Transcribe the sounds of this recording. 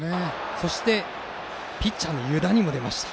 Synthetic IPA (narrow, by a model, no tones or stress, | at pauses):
ne | so̞ɕi̥t̪e̞ | pʲit͡ɕt͡ɕːanːo̞jɯ̟d̪aɲ̟imo̞d̪e̞ma̰ɕi̥t̪ḁ